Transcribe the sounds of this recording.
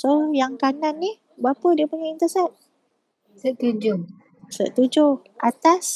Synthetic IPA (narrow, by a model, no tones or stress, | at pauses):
sojaŋkananːih | bəapədiəpuɲaint̪əsɛt̪̚ | səʔt̪ud͡ʒʊ | sə̰ʔt̪ud͡ʒʊ | at̪as